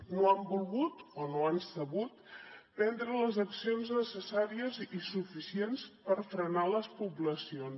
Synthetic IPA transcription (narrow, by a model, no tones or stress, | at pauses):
noambulˠɣut̪onoansəβut̪̚pɛnd̪ɾələzəksionznəsəsaɾiəzisufisienspəɾfɾənaləspupləsions